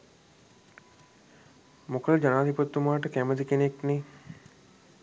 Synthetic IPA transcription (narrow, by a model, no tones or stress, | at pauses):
mokʰəld͡ʒɐnaːd̪ʱipot̪ːumaːʈəkæmət̪ikenekni